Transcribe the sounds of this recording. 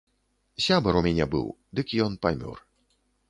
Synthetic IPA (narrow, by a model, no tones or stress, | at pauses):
sʲabɐɾumʲanʲɛbɨ̰wd̪ɨkjɔnpamʲɔ̰r